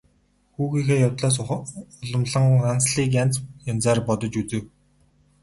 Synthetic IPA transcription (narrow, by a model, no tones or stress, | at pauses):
xuːɣiːxeːjawt̪ɮaːs̬ʊɮə̆mɮə̆ŋant͡sɮiːk̬jant͡sjant͡saːrpɔt̪ɞ̆t͡ɕut͡sɘ̆w